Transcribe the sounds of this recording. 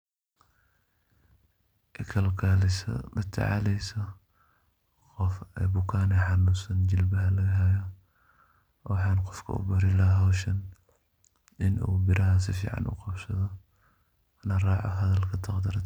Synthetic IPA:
ʔɛkʰɐlkʰaːlɪsɐ̰bɐt̪ʰɐ̰ʕɑ̰lɛjsɔ | qɔfɛbʊkʰaːnɛħɑnusɐnt͡ʃɪlbɐɦɐlɐɣɐɦɛjɔ | ħɑːnqɔfkʰɐ̰ʔʊ̰bɐɾɪlɐɦaɦɔːʃɐn | ɪnṵːbɪɾɐɦɐsɪfḭːʕɑ̰nʔʊ̰qɑbsɐðɔ | nɐrɑːʕɔ̰ɦɐðɐlkʰɐt̪ʰɑqd̪ɐɾɐt̪

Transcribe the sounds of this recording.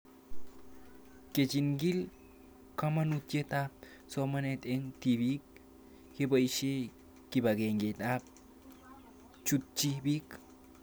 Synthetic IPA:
ket͡ʃinɡil | kamanut̪jet̪a | somanet̪eŋt̪ibik̚ | kebaiʃe | kibaɡeŋɡet̪ap̚ | t͡ʃut̪t͡ʃibik

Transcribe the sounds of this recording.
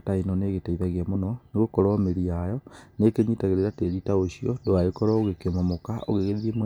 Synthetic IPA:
tainɔneɣetaiðaɣiamonɔneɣokɔɾɔmeɾiajɔnekeɲitaɣeɾeɾateɾitaoɕiɔdoaekɔɾɔoɣekemɔmokao̰ɣeɣeðeðemw

